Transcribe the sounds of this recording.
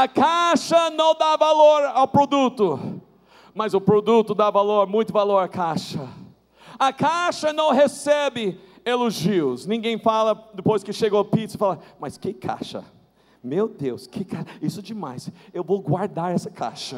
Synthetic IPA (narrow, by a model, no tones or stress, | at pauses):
ɐkaʃɐnɐ̃w̃d̪avaloɾawpɾod̪ut̪ʊ | mɐzʊpɾod̪ut̪ʊd̪avaloɾmũj̃t̪ʊvaloɾɐkaʃɐ | ɐkʰaʃɐnɐ̃w̃ɦesɛbɪ | eloʒiʊsnĩɡẽj̃falɐd̪ɪpojskɪʃeɡpit̪sɪfalɐmɐskɪkʰa̰ʃɐ̰ | mewd̪ewskɪkaʃisʊd͡ʒɪma̰jsewvowɡwaɾd̪aɾɛsɐkʰa̰ʃɐ